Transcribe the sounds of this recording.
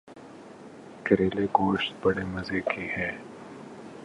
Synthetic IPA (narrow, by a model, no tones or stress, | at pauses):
kɐɾeːleɡoːʃt̪̚bɐɽemɐzeːkʰihɛː